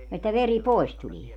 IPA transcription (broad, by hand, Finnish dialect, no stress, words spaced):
etːæ ʋeri pois tulie